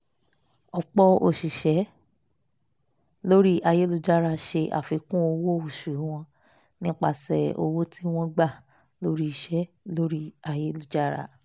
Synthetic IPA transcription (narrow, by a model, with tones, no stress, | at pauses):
ɔ˧k͡pɔ˦o̰˨ʃi˨ʃɛ˨˦ | lo˦ɾi˦ʔa˧je˦lu˦˧d͡ʒa˦ɾa˧ʃe˧ʔa̰˨fi˧˦kũ˦o˧wo˦u˨ʃu˨u˨˦w̃ɔ̃˧ | nĩ˦k͡pa˧˨sɛ˨o̰˧wo˦ti˦w̃ɔ̃˦ɡ͡ba˦˨ | lo˨˦ɾi˦i˧˨ʃɛ˦ | lo˦ɾi˦a˧je˦lu˧˨d͡ʒa˦ɾa̰˧˨